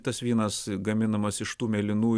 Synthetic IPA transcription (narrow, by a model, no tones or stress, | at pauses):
t̪ɐsʋʲiːnɐsɡɐmʲɪnɐmɐsɪʃt̪uːmʲɛlʲɪnuː